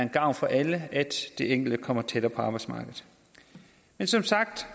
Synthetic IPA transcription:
ɐenɡ̥ɑ̈ʊ̰nfɒ̽ʔæləæd̥ːe̝eŋɡ̥l̩d̥əkʰɒ̽m̰ɐt͡sʰed̥ɐːpʰɒ̽ɑ̈ːb̥ɑ̈ɪ̥smɑ̈ːɡ̥ð̩ˠ | mensɒ̽msɑ̈ɡ̥̚d̥

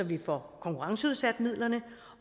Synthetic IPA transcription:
ɒ̽ʋifɒkʰɒ̽ŋkʰuʁɑ̈ŋsəuð̞ˠsæd̥mið̞̰ˠlɐnə

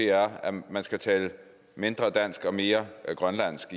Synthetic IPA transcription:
e̝æɐæmænsɡ̥æt͡sʰɛːlə | me̝nd̥ʁɐd̥æn̰sɡ̥ɒ̽me̝ːɐɡ̥ʁɶnlæn̰sɡ̥

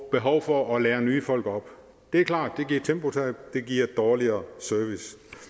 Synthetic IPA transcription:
b̥e̝ɦɒʊfɒʔɒ̽leːɐnyːfɒ̽l̰ɡ̥ɒ̽b̥ | d̥e̝æɐkʰlɑ̰̈ːd̥ːe̝ɡiɐ̰t͡sʰemb̥o̝t͡sʰed̥e̝ɡ̥iɐ̰d̥ɒːliɐːsœɐʋis

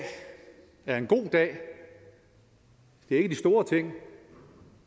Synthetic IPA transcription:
æɐe̝nɡ̥o̝̰ːd̥ɛ̰ː | d̥e̝æe̝ɡ̥əd̥isd̥o̝ːɐt͡sʰe̝ŋ̰

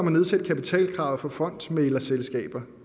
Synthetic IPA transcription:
mæne̝ð̞ˠsed̥̚kʰæpit͡sʰɛ̰ːlkʰʁɑ̈ʊð̩ˠfɒ̽fɒ̽n̰d̥melɐselsɡ̥ɛ̰ːb̥ɐ

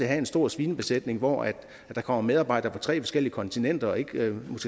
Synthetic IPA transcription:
eɦæe̝nsd̥o̝ɐ̰sʋiːnəb̥e̝sed̥ne̝ŋʋɒ̰æd̥ | d̥ɑ̈kʰɒ̽m̰ɐmeð̞ˠɑ̈bɑ̈ɪ̰d̥ɐpʰɒ̽t͡sʰʁɛ̰ːfɒ̽sɡ̥el̰iəkʰɒ̽nt͡sʰinen̰d̥ɐɒ̽e̝ɡ̥mosɡ̥e

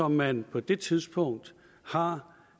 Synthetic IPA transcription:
ɒ̽mːænpʰɒ̽d̥e̝t͡sʰið̞ˠsb̥ɔ̽ŋ̰d̥ | hɑ̈

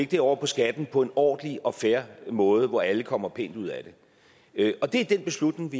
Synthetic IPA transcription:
eɡ̥d̥iɒʊ̰ɐpʰɒ̽sɡ̥æd̥n̩pʰɒ̽e̝nɒ̰ːd̥əliɒ̽fæɐmɔ̽ːð̞ˠəʋɒæləkʰɒ̽m̰ɐpʰe̝̰ːnd̥uð̞̰ˠæd̥e̝ | ʔɒ̽d̥e̝æɐd̥enb̥e̝slud̥ne̝ŋʋi

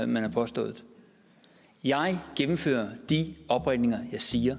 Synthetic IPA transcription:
mænhɑ̈pʰɒ̽sd̥ɔ̰̽ːð̩ˠ | jɑ̈ɪɡ̥emm̩fø̰ːɐd̥iɒ̽b̥ʁad̥ne̝ŋɐjɑ̈ɪsiːɐ

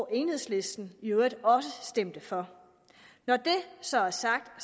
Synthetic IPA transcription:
ʔe̝ːnhe̝sle̝sd̥n̩ød̥ɒ̽səsd̥em̰d̥əfɒ̽ | nɒd̥e̝sɒ̽æɐsɑ̈ɡ̥̚d̥

